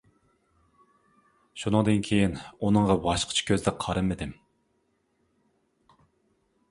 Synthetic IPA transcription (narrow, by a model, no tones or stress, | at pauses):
ʃunɨŋd̪ɨnkʲʰejinunɨŋʁɑbɑʃqʰə̥t͡ʃʰɛ̥kʲʰøzd̪ɛqʰɑɾɨmɪd̪ɪm